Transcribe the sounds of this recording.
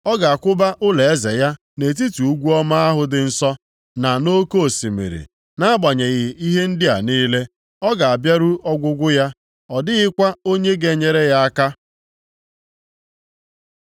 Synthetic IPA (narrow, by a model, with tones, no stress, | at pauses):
ɔ˦ɡa˨a˨kʷʊ˦ba˦ʔʊ˦le˨e˦ze˨ja˦ | ne˨t̬i˦tu˨u˦ɡʷu˦ɔ˦ma˦a˦ɦʊ˨dɪ˨n̩˦sɔ˦ | na˨no˦ko˦o˨si˨mḛ˨ɾḭ˨ | na˦a˦ɡ͡ba˨ɲe˨ɣɪ˨i˦ɦe˦n̩˦dɪ˦a̰˨niː˦le˦ | ɔ˦ɡa˨a˨bja˦ɾu˦ʔɔ˦ɡʷʊ˦ɡʷʊ˦ja˦ | ɔ˨dɪ˦ɣɪ˦kʷa˦o˦ɲe˦ɡe˨ɲe˨ɾe˦ɣa˦a˦ka˦